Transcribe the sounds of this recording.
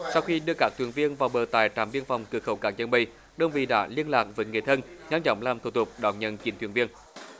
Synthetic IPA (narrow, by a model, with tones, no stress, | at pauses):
sa˧wxi˧ɗɨ˧əkaː˦˥k̚t̪wənvi˧ənvaː˨˩wɓəː˨˩t̪aː˨˩jt͡ɕaː˨˩˦mɓi˧ənfa˨˩wŋ͡mkɨ˨əkxə˧˦wkaː˦˥k̚ɲə˧˩nɓḭ˧˩ | ɗə˨˧˩ŋ͡mvḭ˧˨ɗa̰ː˧˥li˧ənlaː˨˩k̚vəː˨˦jŋi˨˩ət̪ʰə˧nɲa˧mt͡ɕɔ̰˧˦wŋ͡mlaː˨˩mt̪ʰṵ˨˧˩t̪ʰʊ˨˩k͡p̚ɗɔ̰˧˩wɲə̰˧˥nt͡ɕi˨˦nt̪wi˧˩ənvi˧ən